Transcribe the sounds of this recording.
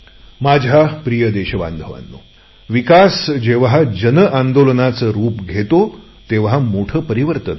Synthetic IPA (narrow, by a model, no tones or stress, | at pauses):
mad͡ʑʱapɾijəd̪eɕəʋa̰nd̪ʱəʋa̰nːo̰ | ʋikasd͡ʑeʋɦad͡ʑənəʔand̪olənat͡səɾuːpɡʱet̪o | t̪eʋɦamoʈʰəpəɾiʋəɾt̪ət̪